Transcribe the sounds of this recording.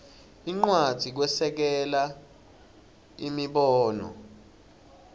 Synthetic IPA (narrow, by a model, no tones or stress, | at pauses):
iŋ͡ǃwad̥ʱik̬wɛsɛk̬ɛla | imiɓɔːnɔ̰